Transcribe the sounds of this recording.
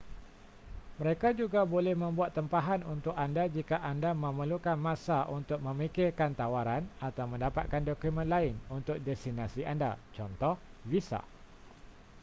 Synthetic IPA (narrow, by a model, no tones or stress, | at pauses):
məɾekad͡ʒuɡabolɛhmə̃mbuat̪ːəmpaɦanunt̪ʊkandad͡ʒikaʔandamə̃məlukanmãsaʔunt̪ʊk̚mə̃mikɪrkant̪awaɾanat̪awmə̃ndapat̪̚kandokumə̃nlaɪnunt̪ʊk̚dɛst̪inasiʔanda̰t͡ʃɔnt̪ɔhvisa̰